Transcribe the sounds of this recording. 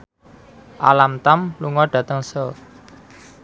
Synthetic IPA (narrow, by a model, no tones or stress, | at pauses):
ʔa̰lamt̪amluŋɔɖ̥ä̤t̪əŋsɔ